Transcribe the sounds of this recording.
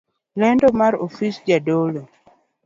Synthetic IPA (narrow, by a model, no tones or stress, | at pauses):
lɛndɔmaɾo̰fisd͡ʒadolo